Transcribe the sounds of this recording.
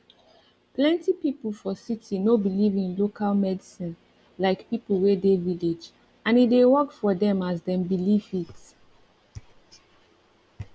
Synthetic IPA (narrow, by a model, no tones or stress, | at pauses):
plɛ̃ntipipl̩ˠfɔsitʰinobilivĩnlokʰalmɛdisĩn | laɪkpipl̩ˠwedeviled͡ʒ | ãnitdewɔkfɔdɛ̃mazdɛ̃mbilivit